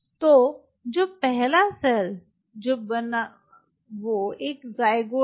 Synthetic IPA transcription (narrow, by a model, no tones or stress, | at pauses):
t̪o | d͡ʑoːpɛɦlasəl | d͡ʑoːbən | ʋoeːkzaːɪɡo